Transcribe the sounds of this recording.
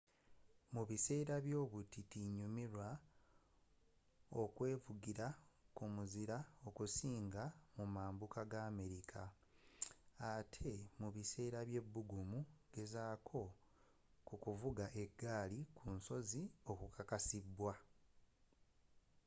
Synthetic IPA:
muβise̞ːɾaβjo̞ːβutitiɲumiɾwa | o̞kwe̞ːvuɡiɾakumuziɾao̞kusiːŋɡamumaːmbukaɡaːme̞ɾikʰa | atʰe̞muβise̞ːɾaβje̞bːuɡumuɡ̥e̞zaːkʰo̞ | kukuvuɡaʔe̞ɡːaːlikʰunso̞zio̞kukʰakasibwa

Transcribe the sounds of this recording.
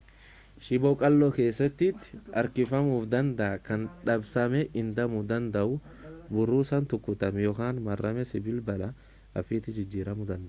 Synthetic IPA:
ʃɪbɔkʼɐlːɔke̞ːsːɐt̪ːɪt̪ːɪ̥ʔɐɾkɪfɐmuːfd̪ɐnd̪ɐʔɐkɐnᶑɐbsɐmɛʔɪnd̪ɐmʊd̪ɐnd̪ɐʔʊbʊrːuːsɐnt̪ʊkːʊt̪ɐmjɔkaːnmɐrːɐmɛsɪbɪlbɐlɐ | ʔɐfɪːt̪ɪd͡ʒɪd͡ʒːiːɾɐmʊd̪ɐnd̪ɐʔ

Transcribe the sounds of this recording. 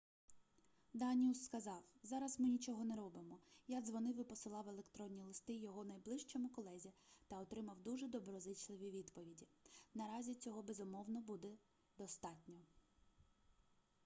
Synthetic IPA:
d̪ɑnʲiusːkɐzɑwzɑɾɐzmɪnʲit͡ʃɔɦɔnɛɾɔbɪmɔjaɡzʋɔnɪwɪpɔsɪlˠɑwelˠekt̪ɾɔnʲːilˠɪst̪ɪjɔɦɔnɐjblˠɪʃt͡ʃɔmʊkɔlˠɛzʲit̪ɐɔt̪ɾɪmɐwd̪uʒɛd̪ɔbɾɔzɪt͡ʃlˠɪʋʲiʋʲid̪pɔʋʲidʲinɐɾɑzʲit͡sʲɔɦɔbezʊmɔwnɔbud̪ɛ | d̪ɔst̪ɑtʲnʲɔ

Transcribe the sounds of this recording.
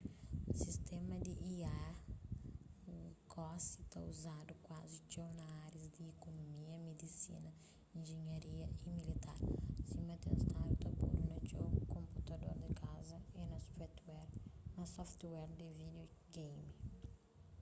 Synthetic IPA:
sist̪ɛmɐd̪ɪʔia | kɔsit̪auzad̪ʊkwazit͡ʃownaaɾɐzd̪ɪːkonomiɐmed̪isḭnɐ | ĩnʒeɲaɾiɐimilit̪a̰ɾsimɐt̪ẽnst̪aut̪abṵlunɐt͡ʃokõmput̪ad̪o̰ɾd̪ɪkʰazɐinɐspɛt̪wɛɾnɐsɔft̪wɛɾd̪ɪvid̪oɡejmi

